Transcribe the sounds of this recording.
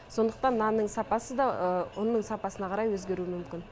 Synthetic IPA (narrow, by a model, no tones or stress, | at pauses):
so̞nd̪əq̚t̪ɑnːɑnːəɴsɑpɑsəd̪ɑəʊnːəɴsɑpɑsənɑqʰɑɾɑjwɵzɡʲe̞ɾuɪmʏmkʲɪn